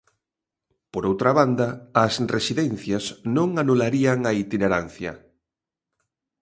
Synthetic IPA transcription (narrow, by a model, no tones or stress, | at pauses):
poɾowt̪ɾaβand̪ɐːsresiðɛnθjɐsnõŋanulaɾiaŋɐit̪ineɾan̟θjɐ̰